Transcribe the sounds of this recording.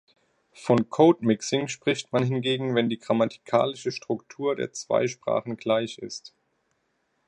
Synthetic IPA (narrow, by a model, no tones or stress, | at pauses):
fɔnkʰoːtmɪksɪŋʃpʁ̥ɪçtmanhɦɪnɡeːɡŋ̩vɛndiːɡʁamatʰi̥kʰa̰ːlɪʃəʃtʁ̥ʊktʰuːɐdḛːɐt͡sv̥a̰ɪʃpʁ̥a̰ːχn̩ɡlaɪçɪ̰st